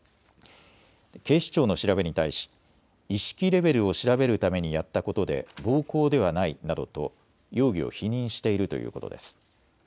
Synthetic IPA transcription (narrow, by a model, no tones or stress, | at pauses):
ke̞ːɕi̥t͡ɕo̞ːno̞ɕiɾabe̞ɲ̟it̪aiɕi̥ | iɕi̥kʲiɾe̞be̞ɾɯ̟o̞ɕiɾabe̞ɾɯ̟t̪ame̞ɲ̟ijat̪ːako̞t̪o̞d̪e̞̰bo̞ːko̞ːd̪e̞βanainad̪o̞̰t̪o̞̰ | jo̞ːɡʲio̞̰çiɲ̟ĩɰ̃ɕi̥t̪e̞iɾɯ̟t̪o̞jɯ̟̰ːko̞t̪o̞̰d̪e̞sɨ̥